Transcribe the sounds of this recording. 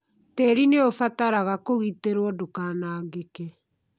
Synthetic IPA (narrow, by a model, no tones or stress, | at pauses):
tɛɾineofataɾaɣakoɣiteɾwɔdokaːnaːɡekɛ